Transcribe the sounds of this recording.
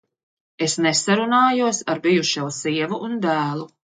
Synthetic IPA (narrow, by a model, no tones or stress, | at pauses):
esnɛsaɾunaːjuɔsaɾbijuʃɛwsiɛvuʔːnd̪æːlˠu